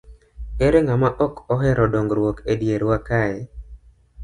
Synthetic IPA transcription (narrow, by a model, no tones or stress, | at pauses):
eɾeŋamaʔɔkɔɦɛɾɔdoŋɡɾwokedjeɾwakaɛ